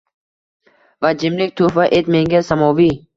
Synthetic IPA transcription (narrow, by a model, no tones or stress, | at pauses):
vad͡ʒɪmlɪk̚ʲt̪ʰufaʔet̪meŋɡʲasamɔvi